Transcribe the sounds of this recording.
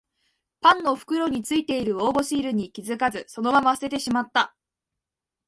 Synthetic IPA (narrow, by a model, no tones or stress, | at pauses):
pãnːo̞ɸɯ̟̥kɯ̟ɾo̞ɲ̟it͡sɨit̪e̞iɾɯ̟o̞ːbo̞ɕiːɾɯ̟ɲ̟ikʲizɨkazɨso̞no̞mamase̞t̪e̞ɕimat̪ːa